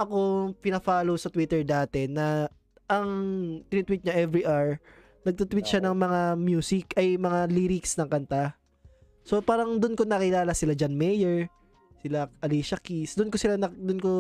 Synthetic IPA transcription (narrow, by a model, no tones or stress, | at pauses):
ʔɐko̞pɪnɐfaːlowsɐt̪wit̪ɛɹd̪aːt̪ɛnɐ | ʔɐŋt̪ɪnɪt̪wit̪̚ɲaʔɛvɾiʔaɹ | nɐɡ̚t̪ut̪wit̪̚ʃanɐŋmɐŋamjuːsɪkɐjmɐŋaliːɾɪksnɐŋkɐnt̪a | so̞paːɾɐŋd̪ʊnkonɐkɪlaːlɐsɪlad͡ʒanmɛjɛɹ | sɪlaʔɐliːʃɐkisd̪ʊnkosɪlanɐd̪ʊnko